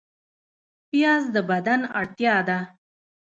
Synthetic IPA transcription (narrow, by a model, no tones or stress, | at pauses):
pijɑzd̪əbad̪ana̰ɽt̪jɑd̪a